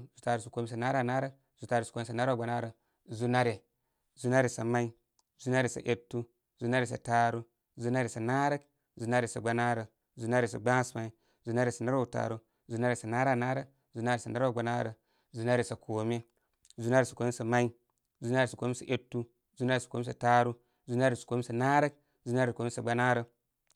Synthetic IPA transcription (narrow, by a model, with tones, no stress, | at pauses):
zu˨˦ta˨ɾu˨sa˨ko˨mi˦s̬a˨na˦ɾa˦na˦ɾə˦ | zu˨ta˦ɾu˨sko˦me˦sa˨na˦ɾa˨ɡ͡ba˨na˦ɾə˨ | zu˦na˦ɾe˨ | zu˦na˦ɾe˨sa˨ma˦i˦ | zu˦na˦ɾe˨sa̰˨ʔe˦tːu˦ | zu˦na˦ɾe˨sa˨ta˨ɾu˦ | zu˦na˦ɾe˨sa˨na˦ɾə˦k | zu˨˦na˦ɾe˨sa˨ɡ͡ba˨na˦ɾə˨ | zu˨na˦ɾe˨s̬a̰˨ɡ͡ba˦sma˨i˨ | zu˨˦na˦ɾi˨sa˨na˦ɾa˦˨ta̰˨ɾu˦ | zu˨˦na˦ɾi˨sa˨na˦ɾa˦na˦ɾə˦k | zu˦na˦ɾi˨sa˨na˦ɾa˨ɡ͡ba˨˦na̰˦ɾə˨ | zu˨˦na˦ɾi˨sa˨kʰo˨me˦ | zu˦na˦ɾi˨sa˨ko˨me˦sa˨ma˦i˦ | zu˦n˦a˦ɾi˨sa˨ko˨me˦sa̰˨ʔe˦tːu˦ | zu˦n˦a˦ɾi˨sḁ˨ko˨˦me˦sa˨ta˦ɾu˦ | zu˦n˦a˦ɾi˨sḁ˨ko˨˦me˦sa˨na˦ɾə˦k̚ | zu˦na˦ɾi˨ko˨me˦sa˨ɡ͡ba˦na˦ɾə˨